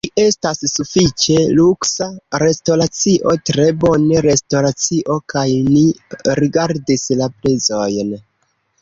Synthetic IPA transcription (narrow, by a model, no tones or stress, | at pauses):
liʔe̞stasːufit͡ʃeluksaɾe̞sto̞ɾat͡siʔo̞tɾe̞bo̞neɾe̞sto̞ɾat͡siʔokajniɾiɡaɾdislapɾezojn